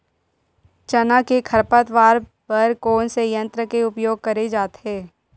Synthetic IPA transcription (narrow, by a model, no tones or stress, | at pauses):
t͡ʃɐnakekʰɐɾpət̪ʋaːɾ | pɐɾkoːnsejə̃nt̪ɾəkeʊpjoːɡ̚kɐɾed͡ʒaːt̪ɦeː